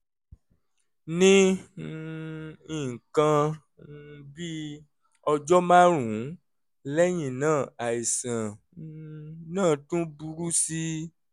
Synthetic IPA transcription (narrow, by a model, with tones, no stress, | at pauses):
nĩ˦ | i˨kã˧˦ | bi˦ | ɔ˧d͡ʒɔ˦mã˦ɾũ˨˦ | lɛ˦j̃ĩ˨nãː˦˨a˨i˨sã˨ | nãː˦˨tũ˦bu˧ɾu˦si˦